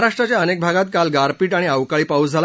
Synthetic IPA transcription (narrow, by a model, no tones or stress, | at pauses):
ɾaʂʈɾat͡ɕjaənek̚bʱaɡat̪̚kalɡaɾpiːʈaɽ̃iaʋkaɭiːpaud͡zʱal